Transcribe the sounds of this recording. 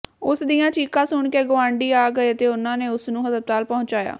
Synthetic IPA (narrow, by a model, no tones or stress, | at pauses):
ʊsd̪ijãːt͡ʃiːkãːsʊɳkeːɡʊãːɳɖiːaːɡəeːət̪eːʊnãːneːʊsnũːɦəzəb̚t̪aːlpɔɦʊ̃nt͡ʃaːja̰ː